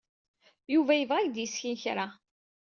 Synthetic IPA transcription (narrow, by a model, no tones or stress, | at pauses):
juvæjəvʁæjd̪jəsçinçɾa